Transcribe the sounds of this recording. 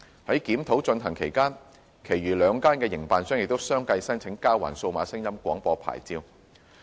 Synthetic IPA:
hɐ˨˥jkiː˨˥mt̪ʰo˨˥wt͡ʃɵ˧nɦɐ˨˩ŋkʰe˨˩jkaː˥n | kʰe˨˩jɥyː˨˩lœː˨˧ŋkaː˥nkɛː˧jɪ˨˩ŋpaː˨nsœː˥ŋjɪ˨k̚t̪o˥wsœː˥ŋkɐ˧jsɐ˥nt͡sʰɪ˨˥ŋkaː˥wa̰ː˨˩nso˧wmaː˨˥sɪ˥ŋjɐ˥mkʷɔː˨˥ŋpɔː˧pʰa̰ː˨˩jt͡siː˧w

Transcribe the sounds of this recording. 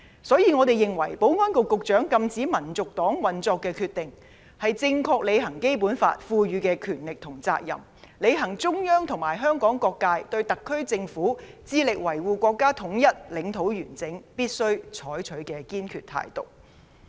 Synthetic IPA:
sɔː˨˥jiː˨˧ŋɔː˨˧t̪e˨jɪ˨ŋwɐ˨˩jpo˨˥wŋɔː˥nkʊ˨kːʊ˨k̚t͡ʃœː˨˥ŋkɐ˧mt͡siː˨˥mɐ˨˩nt͡sʊ˨k̚t̪ɔː˨˥ŋwɐ˨nt͡sɔː˧kːɛː˧kʰyː˧t̪ːɪ˨ŋ | hɐ˨jt͡sɪ˧ŋkʰɔː˧k̚le˨˧jhɐ˨˩ŋke˥jpuː˨˥nfa̰ː˧t̚fuː˧jyː˨˧kɛː˧kʰyː˨˩nlɪ˨k̚t̪ʰʊ˨˩ŋt͡sa̰ː˧k̚jɐ̰˨˩m | le˨˧jɦɐ˨˩ŋt͡sʊ˥ŋjœː˥ŋt̪ʰʊ˨˩ŋmaː˨˩jɦœː˥ŋkɔː˨˥ŋkɔː˧kːaː˧jt̪ɵ˧ɥt̪ɐ˨kʰːɵ˥ɥt͡sɪ˧ŋfuː˨˥t͡siː˧lɪ˨k̚wɐ˨˩jwuː˨˧kʷɔː˧kːaː˥t̪ʰʊ˨˥ŋjɐ˥t̚lɪ˨˥ŋt̪ʰo˨˥wjyː˨˩nt͡sɪ˨˥ŋpiː˥t̚sɵ˥ɥt͡ʃʰɔː˨˥jt͡ʃʰɵ˨˥ɥkɛː˧kiː˥nkʰyː˧t̪ʰa̰ː˨˩jt̪ʊ̰˨˩k̚

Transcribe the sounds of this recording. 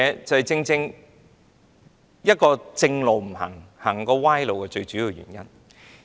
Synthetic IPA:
ɛː˨˧t͡sɐ˨whɛ˨jt͡sɪ˧ŋt͡sɪ˧ŋ | jɐ˥t̚kɔː˧t͡sɪ˧ŋlo˨wm̩˨˩ɦɐ̰˨˩ŋhɐ˨˩ŋkɔː˧waː˥jlo˨wkɛː˧t͡ʃɵ˧ɥt͡ʃyː˨˥jiː˨˧wjɥy̰˨˩njɐ˥n

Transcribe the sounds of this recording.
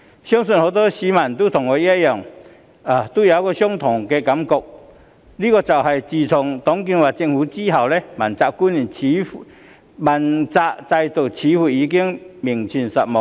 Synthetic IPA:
ɕjɔ˦˥ŋsu˧˨nho˧˦t̪̬ɔ˦ɕi˨˦ma˨˩nt̪u˦t̪ʰʊ˨˩ŋe˨˧˦ja˦jɔ˨˩ŋ | a˨˩t̪u˦˨ja˨˧˦kɔ˧ɕjɔ˥ŋt̪ʰɔ˨˩ŋke˧ka˨˦mkɔ˧k̚ | li˦kɔ˧t͡sa˨˩wɦa˨˩jt͡ɕi˧˩t͡sʰɔ˨˩ŋt̪ɔ˨˦ŋk̬i˧ŋwa˨t͡ɕi˧ŋhu˧˦t͡ɕi˦ɦa˨wle˧˦ma˨˩nt͡sa˧˨ku˦ni˨˩nt͡ɕʰi˨˦f | ma˨nt͡sa˧ʔt͡sa˧jt̪ə˨˩t͡ɕʰiː˨˦hu˨˧˩i˧˦k̬i˦˥əŋmi˨˩ŋt͡ɕʰi˧˩nsa˨mɔ˨ŋ

